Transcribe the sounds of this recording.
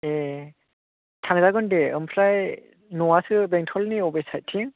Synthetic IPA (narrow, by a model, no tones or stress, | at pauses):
e | tʰaŋzaɡɯndeɯ̰mpʰlaj | nɔwasɯbeŋtʰɔlniɔbesaj̚tʰːiŋ